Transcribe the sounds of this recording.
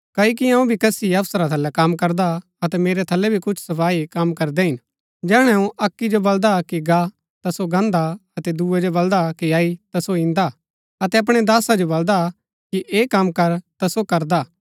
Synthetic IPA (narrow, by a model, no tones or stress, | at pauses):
kɐik̬iɐ̃ũbʱikɐsiɐpsəɾat̪ʰɐlːɛkɐmkɐɾd̪a | ɐt̪ɛmeːɾɛt̪ʰɐlːɛbʱikʊt͡ʃʰsɐpʰaːikɐmkɐɾd̪ɛɦɪn | d͡ʒɛːɽ̃ɛ̃ũʔɐkːid͡ʒobɐld̪akiɡa | t̪asoɡãːnd̪aɐt̪ɛd̪uːɛd͡ʒobɐld̪akiaːit̪ɐsoɪ̃nd̪a | ɐt̪ɛɐp̬ɽ̃ɛd̪aːsad͡ʒobɐld̪a | kiʔeːkɐmːkɐɾt̪asokɐɾd̪aː